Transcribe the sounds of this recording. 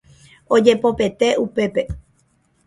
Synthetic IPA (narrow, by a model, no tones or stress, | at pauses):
od͡ʒe̞po̞pe̞t̪e̞upe̞pe̞